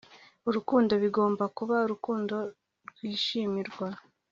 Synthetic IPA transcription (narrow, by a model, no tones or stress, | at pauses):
uɾukuːndo̞βiɡo̞ːmbakuβauɾukuːndo̞ | ɾɡwiːʃimiɾɡwa